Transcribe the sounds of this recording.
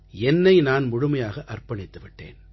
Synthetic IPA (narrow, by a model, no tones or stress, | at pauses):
ɛnːɐɪnaːnmʊɻʊmɐjaːɣɐʔɐrpɐɳɪt̪ːɯʋɪʈːḛːn